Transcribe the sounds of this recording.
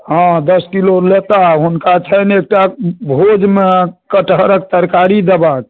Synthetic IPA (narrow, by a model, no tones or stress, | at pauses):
ɦãd̪əskilolet̪aɦunkat͡ʃʰənek̚ʈabʱod͡ʒmekəʈɦəɾək̚t̪əɾkaɾid̪əbak